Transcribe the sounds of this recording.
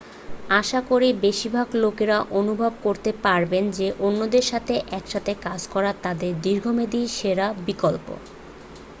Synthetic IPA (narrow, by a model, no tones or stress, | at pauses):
aʃakoɾibeʃibʱaɡlokeɾaʔonubʱabkoɾt̪epaɾbend͡ʑeʔonːod̪eɾʃat̪ʰeʔɛkʃat̪ʰekad͡ʑkɔɾat̪ad̪eɾd̪iɾɡʱomed̪iʃeɾabikolpo̰